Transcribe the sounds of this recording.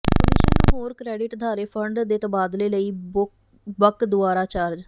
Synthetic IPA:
pːliːʃənɦoːɾkɾɛːɖɪʈd̪ʱaːɾeːpʰəɳɖd̪eːt̪əbaːd̪leːləiː | bəkd̪ʊaːɾaːt͡ʃaɾd͡ʒ

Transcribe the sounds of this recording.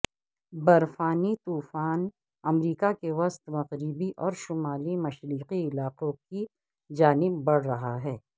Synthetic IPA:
bɐɾfaːnit̪uːfaːn | ɐmɾiːkakeʋɐst̪mɐɣɾɪbiʔɔːɾʃʊmaːlimɐʃɾiːqiɪlaːqõki | d͡ʒaːnɪbːɐɽ̤ɾɐɦaɦɛː

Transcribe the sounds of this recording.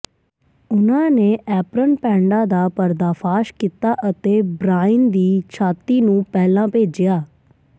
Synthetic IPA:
ʊnãːneːʔɛːpɾənpɛ̃ːɳɖaːd̪aːpəɾd̪aːpʰaːʃkiːt̪aːʔət̪eːbɾaːɪnd̪iːt͡ʃʰaːt̪iːnũːpɛːlãːpeːd͡ʒɪjaː

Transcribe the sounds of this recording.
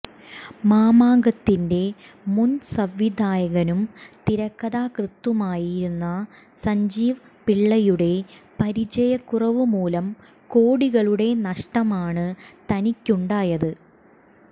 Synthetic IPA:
maːmaːŋɡɐt̪ːinde̞ | munsɐʋjid̪ʱaːjɐɣɐnumt̪iɾɐkːɐðaːkrɨt̪ːumaːjiɾunːɐ | sɐɲd͡ʑiːʋɐ | piɭːɐjuɽe̞pɐɾit͡ɕɐjɐkːurɐʋɨmuːlɐm | koːɽiɣɐɭuɽe̞nɐʂʈɐmaːɳɨt̪ɐnikʲːuɳɖaːjɐðɨ

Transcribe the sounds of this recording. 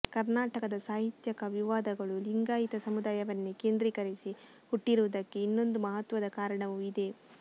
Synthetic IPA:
kɐɾnaːʈɐkɐd̪ɐsaːɦit̪jɐkɐʋiʋaːd̪ɐɡɐɭuliŋɡaːjit̪ɐsɐmud̪aːjɐʋɐnːuke̞ːnd̪ɾiːkɐɾisi | huʈːiɾuʋud̪ɐkːe̞inːo̞nd̪umɐɦɐt̪ʋɐd̪ɐkaːɾɐɳɐʋuid̪e̞

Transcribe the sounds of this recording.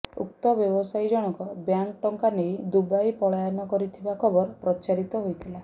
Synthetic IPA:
ṵk̚t̪ɔbjɔbɔsajd͡ʒɔɽ̃ɔŋkɔbjanʈɔŋkanejd̪ubajpɔɭajanɔkɔɾit̪ʰibakʰɔbɔɾpɾɔt͡ʃaɾit̪ɔɦojt̪ʰila

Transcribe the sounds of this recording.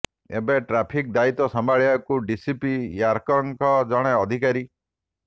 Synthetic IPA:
ḛbeʈɾapʰik̚d̪ait̪ɔsɔmbaɭiakuɖisipijaɾkɔŋkɔd͡ʒɔɽ̃eɔd̪ʱikaɾi

